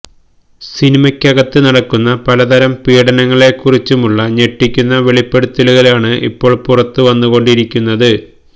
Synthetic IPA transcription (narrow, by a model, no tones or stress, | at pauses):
sinimɐkʲːɐɣɐt̪ːɨnɐɽɐkːunːɐpɐlɐt̪ɐɾɐmpiːɽɐnɐŋːɐɭe̞kːurit͡ɕːumuɭːɐɲe̞ʈːikʲːunːɐʋe̞ɭipːe̞ɽut̪ːiluɣɐlaːɳɨʔḭpːo̞ːɭpurɐt̪ːɨʋɐnːuɣo̞ɳɖiɾikʲːunːɐðɨ